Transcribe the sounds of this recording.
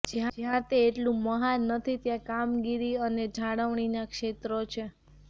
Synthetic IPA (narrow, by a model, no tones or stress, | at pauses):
d͡ʒãd͡ʒãt̪eːʈlũməɦanːət̪ʰit̪jãkamɡiɾiəned͡ʒʱaɽəʋɳ̃inakʃet̪ɾot͡ʃʰe